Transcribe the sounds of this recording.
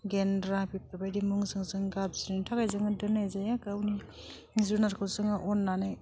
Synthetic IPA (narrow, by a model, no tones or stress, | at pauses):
ɡendɾabip̚abajdimuŋzɯŋzɯŋɡab̚ziɾnitʰaɡajzɯŋɯdɯnajzajakawni | zunaɾkʰɯsɯŋaʔɔnːanaj